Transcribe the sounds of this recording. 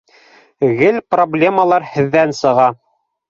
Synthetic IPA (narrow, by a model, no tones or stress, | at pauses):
ɣɘlproblʲeməlˠɑɾhɘ̆ðːænsɤ̆ʁɑ